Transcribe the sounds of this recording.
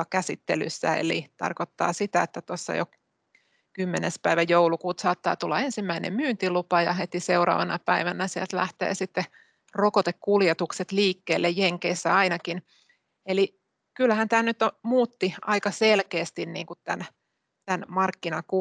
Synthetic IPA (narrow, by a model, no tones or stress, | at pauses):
ɑkæsit̪ːḛly̰sːæ̰ḛlḭt̪ɑ̰rkot̪ːɑ̰ːsit̪æet̪ːæt̪osːɑ̰jo̰ | kymːenespæiʋæjoulukuːt̪sɑːt̪ːɑ̰ːt̪ulːɑensimːæinḛmmyːnt̪ilupɑjɑ̰ɦet̪iseuɾɑ̰ːʋɑnɑpæiʋænæsielt̪læht̪ḛːsit̪ːe | rokot̪ekkuljet̪ukset̪liːkːeːlːejjeŋkeisːæɑinɑkin | eli | kylːhænt̪æːnnyt̪ːomuːt̪ːiɑikɑselkeːst̪inniːŋkutt̪æn | t̪ænmɑrkːinɑku